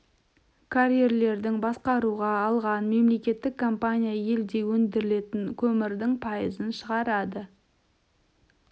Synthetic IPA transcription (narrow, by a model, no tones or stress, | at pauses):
kʰaɾʲije̞rle̞ɾd̪ɪŋbɑsqɑɾuʁɑːlˠʁɑnme̞mle̞kʲe̞t̪ːɪkʰːompanʲijaje̞ld̪e̞wɵnd̪ɪɾɪle̞t̪ɪŋkʲʰɵmɪɾd̪ɪŋpʰɑjəzənʃəʁɑɾɑd̪ə